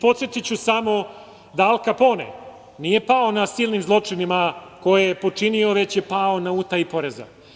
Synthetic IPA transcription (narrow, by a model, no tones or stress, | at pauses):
po̞t̪sʲjet̪it͡ɕusamo̞ | d̪aalˠkapo̞nḛ | nije̞pao̞nasiːlˠnimzlˠo̞t͡ʂinimako̞jejepo̞t͡ʂinio̞ʋe̞t͡ɕje̞paonauːt̪aipo̞ɾeza̰